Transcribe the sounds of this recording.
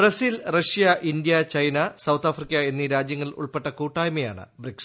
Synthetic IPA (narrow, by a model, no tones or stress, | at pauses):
brɐsilrɐɕijɐʔind̪ijɐt͡ɕɐjnɐsɐwt̪ʰaːfrikʲːɐe̞nːiɾaːd͡ʑjɐŋːɐɭṵɭpe̞ʈːɐkuːʈːaːjmɐja̰ːɳɨ̰briks